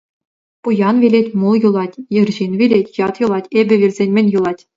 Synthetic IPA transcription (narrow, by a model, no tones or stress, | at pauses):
pujɑnvʲelʲetʲmulˠjulˠɑtʲjɤ̆rʑinʋʲelʲetʲjɑt̪jɯ̆lˠɑtʲebʲɘ̆ʋʲirʲzʲenʲmʲenʲjɯlˠɑtʲ